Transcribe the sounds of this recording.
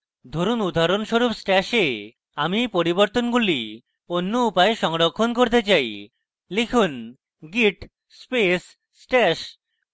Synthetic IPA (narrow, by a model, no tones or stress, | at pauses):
d̪ʱoɾunud̪ʱaɾonʃoɾupsʈɛʃe | amipoɾiboɾt̪onɡuli | onːoupaeʃɔŋɾokʰːonkoɾt̪̬et͡ɕaj | likʰun | ɡiʈ | spes | sʈɛʃ